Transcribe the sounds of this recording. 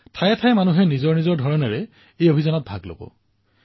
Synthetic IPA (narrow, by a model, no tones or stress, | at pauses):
tʰajɛtʰajmanuɦɛnizɔɹnizɔɹdʱɔɹɔnɛɹɛ | ejobʱizɔnɔt̚bʱaɡlo̰bɔ̰